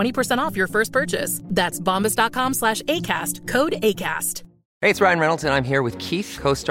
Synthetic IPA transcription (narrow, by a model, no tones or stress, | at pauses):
ɛ̃ɾ̃ipʰə˞sɛ̃ɾ̃ɔfjə˞fɜ˞st̚pʰɜ˞t͡ʃɪ̰sðætsbɑ̃mbɨsd̥ɑt̚kʰɑ̃mslæʃeɪkʰæ̰stkʰoʊɾeɪkʰæ̰st | heɪɨtsɹaɪɨ̃nɹɛñl̩ˠtɨ̃nãɪ̃mɦiɹwɨð̥kʰiθkʰoʊst